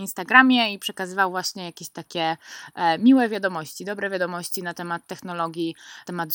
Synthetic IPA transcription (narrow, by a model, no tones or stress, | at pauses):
inst̪aɡɾamʲjɛipʂɛkazɘvawvwaɕɲɛjakʲeɕt̪akʲɛ | mʲiwɛvʲjad̪ɔmɔɕt͡ɕid̪ɔbɾɛvʲjad̪ɔmɔɕt͡ɕinat̪ɛmat̪ːɛxnɔlɔɡʲjit̪ɛmad̪